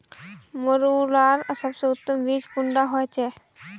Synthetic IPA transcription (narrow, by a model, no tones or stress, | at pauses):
moɾulaːɾsəbseʊt̪ːəmʋiːd͡ʒkʊ̃ɳɖaɦoɛt͡ʃɛː